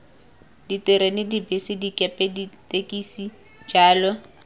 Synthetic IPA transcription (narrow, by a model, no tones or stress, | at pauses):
ditɪɾenɪdibɪsɪdikʼɛpʼɛditʼekʼisi | d͡ʒaːlɔ